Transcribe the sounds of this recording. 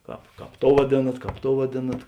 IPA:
ˈkɑːp ˈkɑːp ˈtoːʊ ʋɐˈdʲeːnɐt ˈkɑːp ˈtoːʊ ʋɐˈdʲeːnɐt

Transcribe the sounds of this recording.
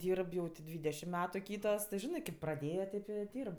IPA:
ˈdʲiːrp jɛʊ tʲɪ ˈdʲʋʲiːdʲɛʃʲɪm ˈmʲæːtʊ ˈkʲiːtoːs tʲɪ ˈʒʲɪnɜ kʲeːp prɐˈdʲeːjɛ ˈtʲeːp ɪ ˈdʲiːrp

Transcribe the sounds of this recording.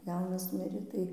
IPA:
ˈjɛʊnɐs ˈmʲɪrʲeː tɐɪ

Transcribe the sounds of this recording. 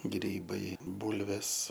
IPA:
ˈɡrʲiːbɐɪ ˈbuːlʲʋʲeːs

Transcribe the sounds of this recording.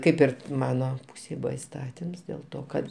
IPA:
ˈkɐɪp ɪr ˈmɑːnoː ˈpuːsʲeːj ˈbʊʋɐ ɪsˈtɑːtʲɪms dʲeːlˠ ˈtoː kɐt

